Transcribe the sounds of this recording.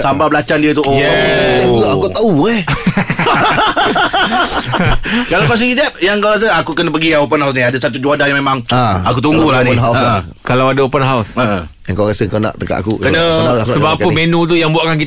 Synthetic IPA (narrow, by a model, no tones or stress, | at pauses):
sambablat͡ʃandiət̪uʔjɛak̪əakut̪auɛ | kalawkas̬ikid͡ʒap̚jaŋkawɣas̬əakukənəpəɡiaopənɦaws̬nĩadasat̪ud͡ʒuadajãmemãŋaakut̪̬uŋɡulannɦawa | kalawadaopənɦawsə | jaŋkawɣasəŋkawnã̰ʔt̪əka̰ʔa̰kukənəakaəbapəmenũt̪̬ujaŋbuaʔkank̬it